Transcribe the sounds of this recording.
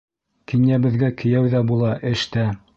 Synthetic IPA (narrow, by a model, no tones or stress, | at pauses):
kinjæβɘ̆ðɡækɘ̆jæwðæbulˠɑʔɘ̆ʃt̪æ